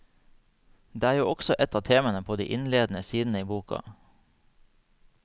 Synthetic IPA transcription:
d̪eːæːɾjuːʔɔɡ̥sɔʔɛt̪ɑːʋt̪ʰeːmɑnəpʰoːd̪ḭːʔɪnleːd̪n̩əsiːd̪n̩əiːbuːkɑ̰

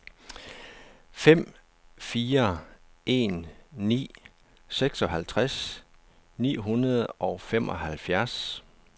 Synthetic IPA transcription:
fem̰ | fiːɐʔe̝nːḭː | seɡ̥sɒ̽ɦælt͡sʰʁas | nḭːɦunɐð̩ˠɒʊfem̰ʔɒ̽hælfjæɐs

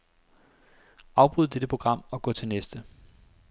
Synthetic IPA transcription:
ɑ̈ʊb̥ʁuð̰ˠd̥ed̥əpʰʁo̝ɡ̥ʁɑ̈m̰ɒ̽ɡ̥ɔ̰̽ːt͡sʰe̝lnesd̥ə

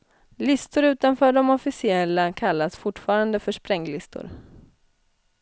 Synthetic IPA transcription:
lɪst̪ʊɾʉ̟ːt̪anfœːɖɔmɔfɪsɪɛlːakʰalːasfʊʈːfɑːɾand̪əfœʂpɾɛŋːlɪst̪ʊ̰ɾ

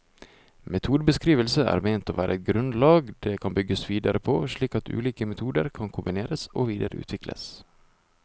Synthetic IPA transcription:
mɛt̪ʰuːd̪əbəskɾiːʋəlsəæ̰ːɾmeɪnt̪oːʋæːɾʔəɛt̪̚ɡɾʉnd̪lɑːɡd̪eːkʰɑnbʏɡːəsʋiːd̪ɑɾəpʰoːʂɭiːkɑt̪ʰʉ̰ːliːkəmɛt̪ʰuːd̪əɾkʰɑnkʰʊmbɪneːɾəsoːʋiːd̪əɾəʔʉ̰ːt̪ʰʋɪklʔə̰s

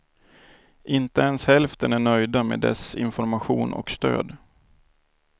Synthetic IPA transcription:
ʔɪnt̪əɛnshɛlft̪ənæɳœjd̪ameːd̪ɛ̰sɪ̰nfɔɾmaɧuːnʔɔ̰kst̪ø̰ːd̪

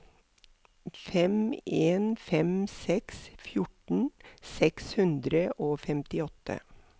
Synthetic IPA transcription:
fɛmeːnfɛmsɛksfjʊʈɳ̩sɛkshʉnd̪ɾəʔoːfɛmt̪ɪɔt̪ə̰

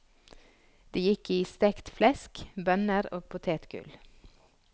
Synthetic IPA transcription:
d̪̥iːjɪkiːst̪ɛkt̪flɛskbœnəɾo̰ːpʰʊt̪ʰeːt̪ɡ̥ʉ̰l

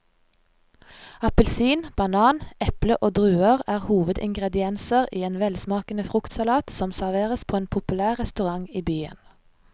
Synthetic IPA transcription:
ɑpəlsiːnb̥ɑnɑːnɛpləʔoːd̪ʁʉːəʁæːʁhuːʋəd̪ɪ̰ŋɡʁɛd̪ɪɛnsəʁiːeːnʋɛlsmɑːkənəfʁʊkt̪sɑlɑːt̪sɔmsæʁʋeːʁəspʰoːeːnpʰʊpʉlæːʁʁɛst̪ʉʁɑŋiːbyːə̰n

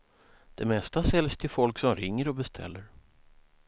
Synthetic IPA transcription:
d̪̥ɛmɛst̪asɛljst̪ʰɪlfɔlksɔmɾɪŋːəɾɔbɛst̪ʰɛ̰lːəɾ

